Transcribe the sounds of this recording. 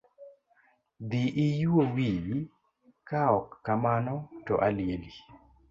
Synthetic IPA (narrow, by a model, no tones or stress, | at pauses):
d̪iʔɪjwowiwi | kaɔkːamanɔtɔʔaljeli